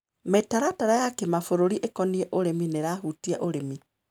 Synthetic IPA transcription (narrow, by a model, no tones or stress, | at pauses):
metaɾataɾajakemafoɾoɾiʔekɔniɛʔoɾemineɾahutiaʔoɾemi